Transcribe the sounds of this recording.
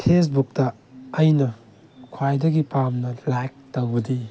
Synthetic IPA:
pʰes̬buk̚tɐː | jnɐ | kʰwajdɐɡipamnɐlajk̚tɐwbɐdi

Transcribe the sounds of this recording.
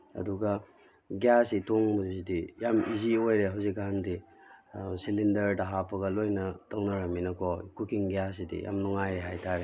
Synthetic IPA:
ɐ̰duɡɐ | ɡjasitoŋmɐzzidijamiziojɾeɦawzikːaɦandi | silindɐɾdɐɦapɐɡɐlojnɐtɐwnɐɾɐminɐkʰɔkukiŋɡjas̬idḭja̰mnɔŋajɾeɦajtʰaɾe

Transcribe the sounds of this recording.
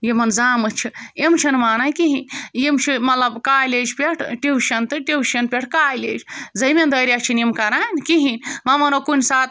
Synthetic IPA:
jemɐnzaːmɨt͡ʃʰiemt͡ʃʰɐnmaːnajʲkiɦinʲjemt͡ʃʰimɐt̪lɐbkaːjlʲed͡ʒpʲeʈʰʈiwʃɐnt̪ɨʈiwʃɐnpʲeʈʰkaːjlḛːd͡ʒzɐjmʲend̪ɐːɾiat͡ʃʰinimkɐɾaːnʲkiɦinʲmɐmɐnokunʲsaːt̪

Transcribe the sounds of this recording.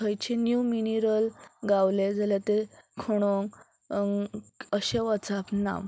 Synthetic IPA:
əjt͡ɕenjuminiɾəlɡawled͡zalat̪ekʰoɽ̃oŋ | əɕeʋat͡sapnã̰m

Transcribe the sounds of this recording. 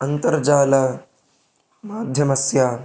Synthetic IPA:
ɐnt̪ɐɾd͡ʒaːlɐ | maːd̪ʱjɐmɐsjaː

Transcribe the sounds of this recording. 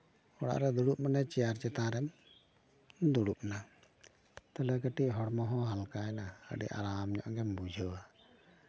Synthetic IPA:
ɔɽa̰ʔɾɛd̪uɽup̚manɛt͡ʃɛjaɾt͡ʃɛt̪ãɾɛm | d̪uɽup̚na | t̪alɛkəʈiʔ̚ɦɔɽmɔɦɔ̃ɦalkaɛnaə̰ɖɛ̰ʔa̰ɾamɲɔ̰ʔɡɛmbud͡ʒʱɔwa

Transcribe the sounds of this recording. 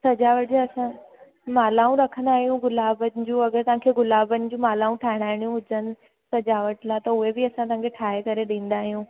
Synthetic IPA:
sɐd͡ʑaːʋəʈɪd͡ʑaɐsã | maːlaːũɾɐkʰə̃nd̪aːɦijũɡʊlaːbənɪ̆d͡ʑũːɐɡəɾt̪ɐʋ̤ãːkʰeːɡʊlaːbənɪ̆d͡ʑũːmaːlaːũʈʰaːɦɪɽ̃aːɦɪɽ̃ijũɦʊd͡ʑənɪ̆ | sɐd͡ʑaːʋəʈlat̪ɐʊɦebɪɐsãt̪ɐ̤̃ãŋkʰeʈʰaːɦekɐɾeɗĩːn̆d̪aːɦijũː

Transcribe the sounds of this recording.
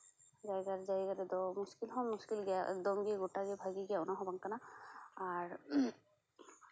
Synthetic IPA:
d͡ʒajɡaɾd͡ʒajɡaɾɛd̪ɔmuskilɦɔmuskilɡijaʔɛ̰k̚d̪ɔmɡiɡoʈaɡibʱaɡiɡijaunaɦɔbaŋkanaaɹ

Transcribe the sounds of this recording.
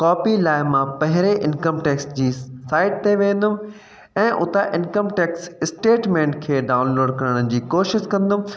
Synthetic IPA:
kɔːpilaːɪmãpɐɦɪɾeʔɪnkəmʈeːksd͡ʑiːsaːɪʈ̚t̪eʋẽːn̆d̪ʊm | ɛ̃ːʔʊt̪aʔɪ̃nkəmʈeːksɪsʈeːʈmẽːɳʈkʰeːɖaːʊnloːɖkɐɾəɽ̃d͡ʑiːkoːʃɪʃkɐ̃nd̪ʊm

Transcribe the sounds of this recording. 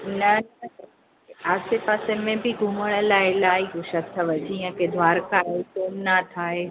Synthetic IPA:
nɐnɐɐ | eaːsepaːsemẽbɪɡʱuməɽ̃ə̆laːɪlaːiɦoʃɐt̪ʰːəʋɐd͡ʑiɐ̃ked̪ʱʋaːɾkaekoːnnat̪ʰaːɦe

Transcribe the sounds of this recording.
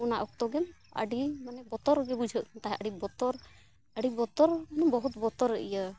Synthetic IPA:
unaʔɔk̚t̪ɔɡɛmə̰ɖimanɛbɔt̪ɔɾɡɛbud͡ʒʱəʔt̪aɦɛʔəɖibɔt̪ɔɾ | əɖibɔt̪ɔɾmanɛbɔɦut̪bɔt̪ɔɾːəʔḭja

